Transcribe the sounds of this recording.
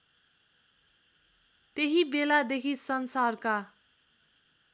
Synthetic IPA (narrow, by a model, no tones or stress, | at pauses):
t̪eɦibelad̪ekʰisʌnsarka